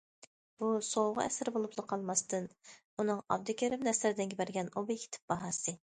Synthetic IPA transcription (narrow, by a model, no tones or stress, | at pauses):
b̥usowʁʊ̰ɛ̰sɪɾbolˠuplˠɨqʰɑlˠmɑst̪ʰɨn | unɨŋɑ̰b̚d̪ɪkʲeɾɪpnɛslɪɾɪd̪ɪnɡʲɪbæɾɡʲɛnobikʲʰe̥t̪ʰɪ̥p̚b̥ɑɦɑsɨ